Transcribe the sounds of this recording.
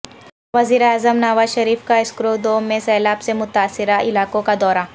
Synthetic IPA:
ʋɐziːɾeaːzəmnaʋaːzʃɐɾiːfkaɪskɾoːd̪oːmẽsɛːlaːbsemʊt̪aːsːɪɾaɪlaːkõkad̪ɔːɾa

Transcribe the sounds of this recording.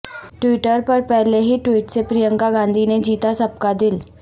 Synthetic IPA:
ʈʋiːʈəɾpəɾpɛɦleɦiːʈʋiːʈsepɾijəŋkaɡãnd̪ʱined͡ʑiːt̪asəb̚kad̪il

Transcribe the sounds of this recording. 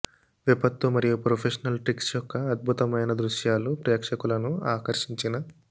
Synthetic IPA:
ʋipɐt̪ːumɐɾijupɾopʰeʂɐnɐlʈɾiksjɔkːɐːd̪̚bʱut̪ɐmɐjnɐd̪ɾuʃjaːlupɾɛːkʂɐkulɐnuaːkɐɾʂiɲt͡ʃinɐ

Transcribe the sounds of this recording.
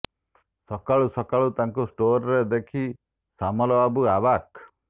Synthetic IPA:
sɔkaɭusɔkaɭut̪aŋkusʈoɾɔɾed̪ekʰi | samɔlɔabuabak

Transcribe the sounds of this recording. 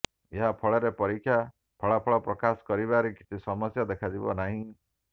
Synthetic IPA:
eɦapʰɔɭɔɾepɔɾikʰːja | pʰɔɭapʰɔɭɔpɾɔkasɔ̥kɔɾibaɾikit̪isɔmɔsjad̪ekʰad͡ʒibɔ̰naɦĩ

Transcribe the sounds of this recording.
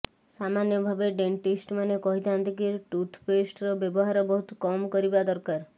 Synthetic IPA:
samanjɔbʱabeɖeɳʈisʈmanekɔɦit̪ʰant̪ikiʈut̪ʰpesʈɾɔbjɔbɔɦaɾɔbɔɦut̪ɔkɔmkɔɾibad̪ɔɾkaɾ

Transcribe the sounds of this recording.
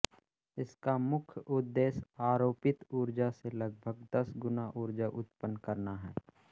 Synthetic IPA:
ɪskamʊkʰjʔʊd̪ːeːsaːɾoːpɪt̪uːɾd͡ʒaselɐɡ̚bʱəɡd̪ɐsɡʊnaʔuːɾd͡ʒaʔʊt̪pənːkɐɾnaɦɛː

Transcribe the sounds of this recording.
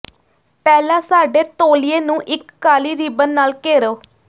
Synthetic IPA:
pɛːlãːsaːɖeːt̪oːlieːnũːʔɪkːaːliːɾiːbənːaːlkeːɾoː

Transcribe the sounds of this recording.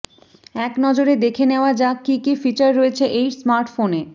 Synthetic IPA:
ɛknɔd͡ʑoɾed̪ekʰeneoad͡ʑakikifit͡ɕaɾːoet͡ɕʰeʔejsmaɾʈfone

